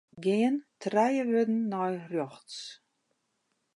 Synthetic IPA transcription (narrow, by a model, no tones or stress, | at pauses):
ɡeːntʰrajəvødn̩ːɔjrjɔxts